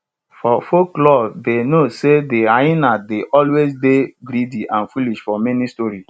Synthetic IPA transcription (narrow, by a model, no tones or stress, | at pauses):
fɔfoklɔdenosedeainadeʔɔlwezbebɾidiʔãnfuliʃfɔmɛnistɔɾi